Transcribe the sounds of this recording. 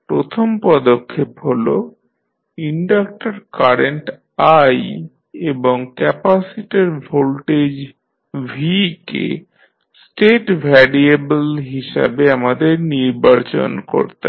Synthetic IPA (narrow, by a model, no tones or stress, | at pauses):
pɾot̪ʰompɔd̪okʰːepɦolo | iɳɖak̚ʈaɾkaɾeɳʈ | aj | eboŋkɛpasiʈeɾbʱolʈed͡ʑ | bʱikḛ | sʈeʈbʱɛɾiebelɦiʃa̰beamad̪eɾniɾbaɾt͡ɕo̰nko̰ɾt̪a